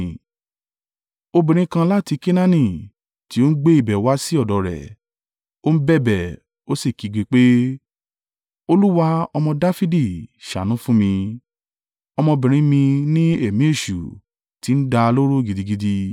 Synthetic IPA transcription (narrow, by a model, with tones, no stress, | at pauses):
o˧bĩ˨ɾ̃ĩ˧˦kã˧la˦ti˧ke˦nã˦nĩ˦˨ | ti˨˦o˦n̩˦ɡ͡be˦i˦˨bɛ˨wa˦si˦ɔ˦˨dɔ˨˦ɾɛ̰˨ | o˦n̩˦bɛ˦˨bɛ˨ | o˦si˦˨ki˨˦ɡ͡be˧k͡pe˦ | o˧lu˦wa˦ɔ˧mɔ̃˧da˦fi˦di˦˨ʃa̰˨nũ˨˦fũ˦mĩ˧ | ɔ˧mɔ̃˧bĩ˨ɾ̃ĩ˦mĩ˧nĩ˦e˦˨mĩ˨˦e˦˨ʃṵ˨ | ti˨˦n̩˦da˧lo˦ɾo˦˨ɡi˧di˧ɡi˧di˧